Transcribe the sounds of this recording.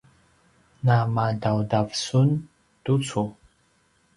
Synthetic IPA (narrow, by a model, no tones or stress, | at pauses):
namadawdavsun | d̥ut͡sʰu